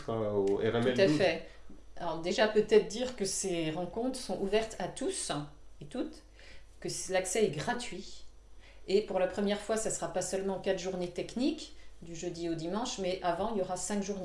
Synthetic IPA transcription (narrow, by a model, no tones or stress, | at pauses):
paoɛ̰ʁɛt̪uɛt̪afɛaɔʁd̪eʒapøt̪ɛt̪χd̪iʁkəseʁɑ̃kɔ̃t̪χəsɔ̃ʔuvɛʁt̪at̪uset̪ut̪ | kəlaksɛɛɡʁat̪ɥi | epuʁlapχəmjɛʁfwasasəʁapasœlmɑ̃kat̪ʒuʁnet̪ɛknikd̪yʒød̪iod̪imɑ̃ʃmɛʔavɑ̃iljɔʁasɛ̃kʒuʁne